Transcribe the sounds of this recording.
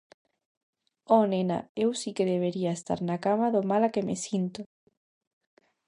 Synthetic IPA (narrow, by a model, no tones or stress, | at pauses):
ɔnena̰ewsikeðeβ̞eɾiaest̪a̰ɾnakamaðomalakemesint̪o